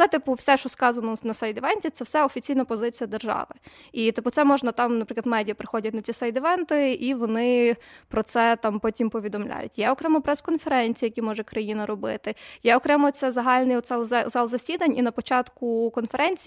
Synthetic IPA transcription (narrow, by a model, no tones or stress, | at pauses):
ɛt̪ɪpʊwsʲɛʃt͡ʃɔskɑzɐnɔnɐsɐjd̪ɪʋɛnʲtʲitsɛwsɛɔfʲit͡sʲijnɐpɔzɪt͡sʲijɐd̪erʒɑ̰ʋɪ | it̪ɪpʊt̪sɛmɔʒnɐt̪ɑmnɐpɾɪklɐd̪mɛdʲijɐpɾɪxɔdʲɐt̚ʲnɐt͡sʲisɐjd̪ɪʋɛnt̪ɪiʋɔnɪpɾɔt̪sɛt̪ɑmpɔtʲimpɔʋʲid̪ɔmlʲa̰jʊ̰tʲjɛɔkɾɛmɔpɾɛskɔnfeɾɛnʲt͡sʲijɐkʲimɔʒɛkɾɐjinɐɾɔbɪ̰t̪ɪjɛɔkɾɛmɔt̪sɛzɐɦɑlʲnɪjɔt̪slˠzzɑlˠzɐsʲid̪ɐnʲinɐpɔt͡ʃɑt̪kʊkɔnfeɾɛnʲt͡sʲi